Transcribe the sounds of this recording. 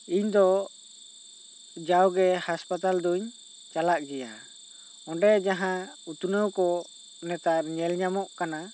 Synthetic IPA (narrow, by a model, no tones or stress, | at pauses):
iɲd̪ɔ | d͡ʒawɡɛhaspat̪ald̪uɲ | t͡ʃalak̚d͡ʒɛja | ɔɖɛd͡ʒaɦãut̪unəwkɔ | nɛt̪aɲɛlɲamɔʔkana